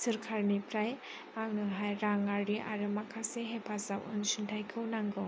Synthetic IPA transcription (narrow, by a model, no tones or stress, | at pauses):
sɯɾkʰaɾnipʰɾaj | aŋnɯɦajɾaŋaɾiʔa̰ɾɯmakʰaseɦepʰasawɯ̰nsɯntʰajkʰɯwnaŋɡɯ